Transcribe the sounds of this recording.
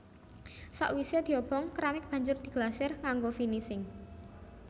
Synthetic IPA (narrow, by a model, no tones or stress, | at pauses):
sa̰ʔwised̪̥i̤ob̥ɔŋkɾamɪk̚b̥a̤ɲd͡ʒʊrd̪̥i̤ɡ̥lasɛrŋaŋɡofinisɪŋ